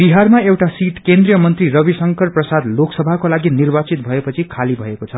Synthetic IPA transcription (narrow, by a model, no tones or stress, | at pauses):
b̥iɦarmaewʈasiʈkend̪rijʌmʌnt̪rirʌbisʌŋkʌrprʌsad̪loksʌbʱakolaɡinirbat͡sit̪̚bʱʌepʌt͡sʰikʰalibʱʌekot͡sʰʌ